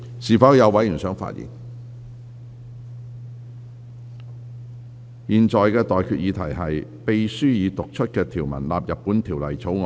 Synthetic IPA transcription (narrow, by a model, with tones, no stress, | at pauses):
siː˨fɐ˨˥wjɐ˨˧wɐ˨˥jɥyː˨˩nsœː˨˥ŋfa̰ː˧t̚jḭ˨˩n | jiː˨nt͡ʃɔː˨˩jkɛː˧t̪ɔː˨jkʰyː˧t̚jiː˨˧t̪ʰɐ˨˩jɦɐ˨jpe˨jsyː˥jiː˨˧t̪ʊ˨k̚t͡ʃʰɵ˥t̚kɛː˧t̪ʰiː˨˩wmɐ̰˨˩nla̰ː˨p̚jɐ˨pːuː˨˥nt̪ʰiː˨˩wlɐ˨˩jt͡sʰo˨˥wŋɔ˧